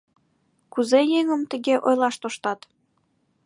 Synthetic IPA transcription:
kuzejeŋəmt̪ə̆ɣeʔojlɑʃt̪oʃt̪ɑt̪

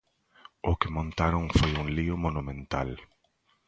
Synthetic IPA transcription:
ʊkɪmõnt̪aɾõŋfojuŋliʊmonumẽnt̪a̰l

